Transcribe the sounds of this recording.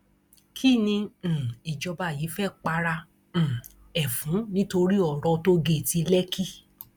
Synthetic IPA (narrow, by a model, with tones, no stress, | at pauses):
kʰi˦˨nĩ˧˨i˨d͡ʒɔ˧ba˧˨ji˨˦fɛ˦˨k͡pa˧ɾã˧˨ | ɛ˨fũ˨˦nĩ˦to˧ɾi˦ɔ˨ɾɔ˧to˦ɡe˦˨ti˧lɛ˦kʰi˦